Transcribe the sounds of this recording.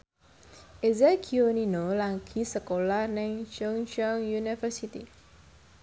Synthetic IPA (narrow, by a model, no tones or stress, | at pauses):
ezɛkʰioninolaŋkʰisəkolanɛ̃ŋʃɔŋʃɔŋjunifəsit̪ḭ